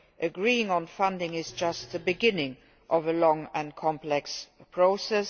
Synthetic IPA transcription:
ʔəɡɹiɪ̃ŋə̃nfãndɪ̃ŋɪzd͡ʒʌst̪̚ðəbɪɡɪ̃nɪ̃ŋ | ʔɔvəlɔ̃ŋə̃nkʰɔ̃mplɛkspʰɹ̥oʊsɛs

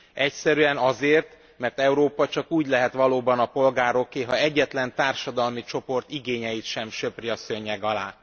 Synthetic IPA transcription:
ɛcsɛɾyɛnɒzeːrt̪ | mɛrt̪ɛuɾoːpɒt͡ʃɒkuːɟlɛɦɛt̪ʋɒloːbɒnɒpo̞lɡaːɾo̞keːɦɒɛɟːɛt̪lɛnt̪aːrʃɒd̪ɒlmit͡ʃo̞po̞rt̪iɡeːɲɛjit̪ʃɛmʃøpriɒsøɲːɛɡɒlaː

